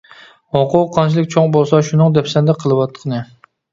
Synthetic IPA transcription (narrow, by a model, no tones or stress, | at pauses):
oqʰʊqʰːɑnt͡ʃʰilˠɪkʲt͡ʃʰoŋbolˠsɑʃunɨŋd̪ɛpsɛnd̪ɛqʰəlˠɨwɑt̪ʰːə̥qʰnɨ